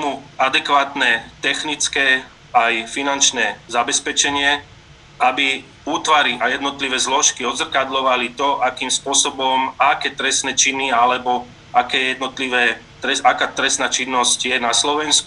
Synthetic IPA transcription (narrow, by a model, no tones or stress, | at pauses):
t̪muad̪ɛkʋaːt̪nɛt̪ɛxnit͡skɛ | ajfinant͡ʃnɛːzabɛspɛt͡ʃɛɲɪɛ | abi | uːt̪ʋaɾiʔajɛd̪nɔt̪liʋɛːzlɔʃkiɔd̪zr̩kad̪lɔʋalit̪ɔʔakiːmspʊɔsɔbɔmakɛːt̪ɾɛst̪nɛt͡ʃinialɛbɔ | akɛːjɛd̪nɔt̪liʋɛː | t̪ɾɛsakaːt̪ɾɛsnaːt͡ʃinːɔscjɛnaslɔʋɛnsku